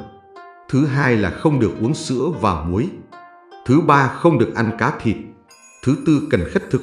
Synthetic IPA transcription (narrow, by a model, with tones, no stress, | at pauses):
t̪ʰɨ˨˦ɦaː˧jlaː˨˩xə˧wŋ͡mɗɨ˨˩ək̚ʔu˨˦əŋsɨ̰˧˥əvaː˨˩wmu˨˦j | t̪ʰɨ˨˦ɓaː˧xə˧wŋ͡mɗɨ˨˩ək̚ʔa˧ŋ̟kaː˨˦t̪ʰi˨˩ət̚ | t̪ʰɨ˨˦t̪ɨ˧kə˧˩nxa˦˥k̟̚t̪ʰɨ˨˩